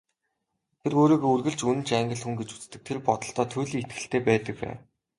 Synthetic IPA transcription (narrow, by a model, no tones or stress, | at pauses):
t̪ʰeroːɾiːɡoːurɣɘ̆ɮt͡ɕunɘ̆nt͡ɕæŋɡə̆ɮxuŋɡet͡ɕu̥t͡st̪ɘ̆k̚t̪ʰerpɔt̪ɞ̆ɬt̪ɔːt̪ʰɵːɮiːŋet̪ɡɘ̆ɬt̪eːpæːt̪ə̆k̚pæ̰ːw